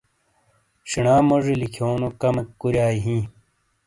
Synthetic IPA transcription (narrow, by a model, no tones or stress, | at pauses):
ʂiɳaːmoʐilikʰjoːnokɐmekkuɾaːiɦĩː